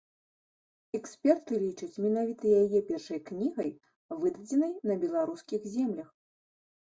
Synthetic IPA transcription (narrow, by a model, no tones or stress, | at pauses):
ɛksʲpʲɛrt̪ɨlʲit͡ʂɐt͡sʲmʲɛnavʲit̪ɐjajɛpʲɛrʂɐjknʲiɣɐj | vɨd̪ɐd͡zʲɛnɐjnɐbʲɛlˠaɾuskʲixzʲɛmlʲɐx